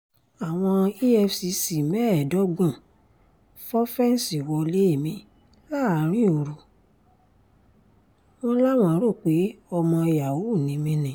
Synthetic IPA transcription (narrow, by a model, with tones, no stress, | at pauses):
a˨w̃ɔ̃˧i˦ɛ˧fsi˧si˨mɛ˦˨dɔ˨˦ɡ͡bɔ̃˦˨ | fɔ˦fɛ˦n̩˨si˨wɔ˧le˨˦i˦˨mĩ˧ | la˦˨a˨˦ɾ̃ĩ˦o˨ɾu˨ | mɔ̃˧la˦˨w̃ɔ̃˧˨˦ɾo˦˨k͡pe˨˦ɔ˧mɔ̃˧i˧ja˨wo˨˦˨nĩ˨˦mĩ˧nĩ˨